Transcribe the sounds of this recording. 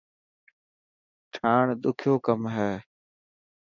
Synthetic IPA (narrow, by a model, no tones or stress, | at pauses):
ʈʰaːɳɗ̪ʊkʰjoːkəmɦɛː